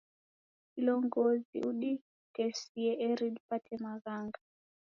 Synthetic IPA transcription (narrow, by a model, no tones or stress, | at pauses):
kilɔŋɡɔzḭuɗi | kɛsiɛɛɾiɗpatʰɛmaɣaŋɡa